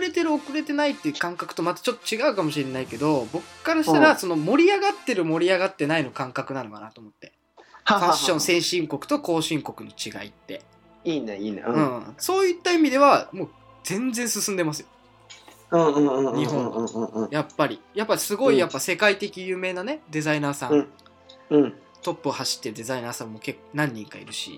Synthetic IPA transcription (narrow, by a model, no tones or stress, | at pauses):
ɾe̞t̪e̞ɾɯ̟o̞kɯ̟ɾe̞t̪e̞nait̪ːeɯ̟kãŋkakɯ̟t̪o̞mat̪ḁt͡ɕo̞t̪ːo̥t͡ɕiɡaɯ̟kamo̞ɕiɾe̞naike̞d̪o̞bo̞kɯɯ̟̥kːaɾaɕit̪aaɾaso̞no̞mo̞ɾʲiaɡat̪ːe̞ɾɯ̟mo̞ɾʲiaɡat̪ːe̞naino̞kãŋkakɯ̟nanokanat̪o̞ːmo̞t̪ːe̞ | faɕːõ̞sẽ̞ɰ̃ɕĩŋko̞kɯ̟̥t̪o̞ko̞ːɕĩŋko̞kɯ̟no̞t͡ɕiɡa̰ḭt̪ːe̞̰ | iːneiːnḛɯ̟̃ːso̞ːit̪ːaimʲid̪e̞βamo̞ː | d͡zẽ̞nd͡zẽ̞ɰ̃sɨsɨ̃nd̪e̞masɨjo | ɯ̃ːɯ̃ːɯ̃ːɲiɦõɯ̃japːaɾʲijapːaisɨɡo̞ijapːase̞kait̪e̞kʲijɯ̟ːme̞ːnane̞d̪e̞zainaːsãŋ | ɯ̃ | t̪o̞pːɯohaɕi̥t̪ːe̞ɾɯ̟d̪e̞zainaːsãmːo̞ːke̞kːnãɲ̟ːĩŋkaḭɾɯ̟ɕḭ